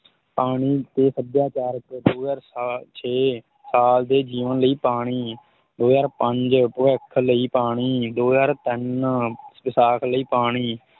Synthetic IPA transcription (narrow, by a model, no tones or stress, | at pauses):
paːɽ̃iːt̪eːsəd̪jaːt͡ʃaːɾəkd̪oːjaːɾst͡ʃʰeː | saːld̪eːd͡ʒiːʋənləiːpaːɽ̃iː | d̪oːjaːɾpəɲd͡ʒpʋɛkʰləiːpaːɽ̃iːd̪oːjaːɾt̪ɪn | ʋɪsaːkʰləiːpaːɽ̃iː